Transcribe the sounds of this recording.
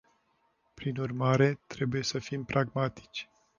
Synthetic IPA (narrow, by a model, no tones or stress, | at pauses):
pɾinurmaɾe̞t̪ɾe̞buje̞səfimpɾʔaɡmat̪i̥t͡ʃʲ